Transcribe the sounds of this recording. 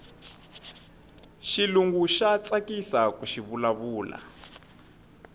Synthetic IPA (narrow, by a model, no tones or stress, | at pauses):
ʃiluŋɡuʃat͡sakisakuʃiβulaβuːla̰